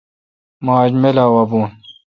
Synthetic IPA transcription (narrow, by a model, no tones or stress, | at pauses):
maːd͡ʑmelaːwɐbuːn